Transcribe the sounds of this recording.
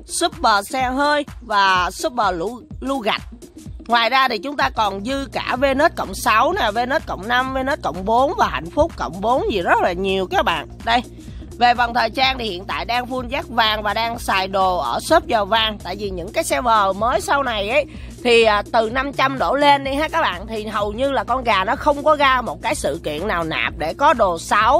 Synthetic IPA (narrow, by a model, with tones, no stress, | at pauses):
sɨ˦˥p̚ɓəː˨˩sɛ˧ɦəː˧jvaː˨˩sɨ˦˥p̚ɓəː˨˩lu˧lu˧ɣa˨˩jt̚ | ŋwaː˨˩jzaː˧t̪ʰi˨˩t͡ɕʊ˨˦ŋ͡mt̪aː˧kɔ˨˩nzɨ˧kaː˧˩ve˧nəː˦˥t̚kə̰˧˨wŋ͡msa˨˦wnaː˨˩ve˧nəː˦˥t̚kə̰˧˨wŋ͡mna˧mve˧nə˦˥t̚kə̰˧˨wŋ͡mɓo˨˦nvaː˨˩ha̰˧˨jŋ̟fʊ˦˥k͡p̚kə̰˧˨wŋ͡mɓo˨˦nzi˨˩zə˦˥t̚laː˨˩ɲi˨˩əwkaː˨˦k̚ɓa̰ː˧˨nɗə˧j | ve˨˩va˨˩wŋ͡mt̪ʰəː˨˩jzaː˧nt̪ʰi˨˩hḭ˧˨ənt̪a̰ː˧˨jɗaː˧ŋfu˧nzaː˦˥k̚vaː˨˩ŋvaː˨˩ɗaː˧ŋsaː˨˩jɗo˨˩ʔəː˧˩səː˦˥p̚zɔː˨˩vaː˨˩ŋt̪a̰ː˧˨jvi˨˩ɲɨ̰˧˥ŋkaː˨˦jsɛ˧wvəː˨˩məː˨˦jsa˧wna˨˩jʔə˨˦j | t̪ʰi˨˩ʔːt̪ɨ˨˩na˧mt͡ɕa˧mɗo˧˩le˧nɗi˧haː˦˥kaː˦˥k̚ɓa̰ː˧˨nt̪ʰi˨˩ɦə˨˩wɲɨ˧laː˨˩kɔ˧nɣaː˨˩nɔ˨˦xə˧wŋ͡mkɔ˨˦ɣaː˧mo˨˩t̚kaː˨˦jsɨ̰˧˨kḭ˧˨ənːaː˨˩wna̰ː˨˩p̚ɗe˧˩kɔ˨˦ɗo˨˩sa˨˦w